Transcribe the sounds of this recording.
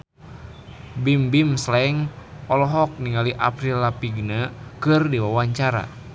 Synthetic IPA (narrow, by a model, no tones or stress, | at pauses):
bimbimslɛŋɔlɔɦɔk̚niŋaliʔa̰pɾilːapiɡnakɨrdiwawaɲt͡ʃaɾa̰